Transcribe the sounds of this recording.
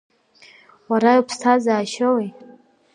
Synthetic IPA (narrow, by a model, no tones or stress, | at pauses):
waɾajopʰstʰazaːʃowej